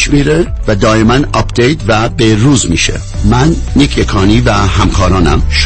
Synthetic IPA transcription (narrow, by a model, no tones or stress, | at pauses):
ʃmiːɾevæd̪ɒːjemænɒpd̪ejt̪ʰvæbeɾuːzmiːʃḛ | mænːikʰekʰɒːniːvæhæmkʰɒːɾɒːnæ̰mʃ